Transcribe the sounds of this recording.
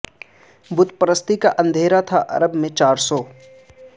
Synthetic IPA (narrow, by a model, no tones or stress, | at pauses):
bʊt̪pəɾəst̪ikaʔɐ̃nd̪ʱeːɾat̪ʰaʔɐ̰ɾəbmẽt͡ʃaːɾsɔː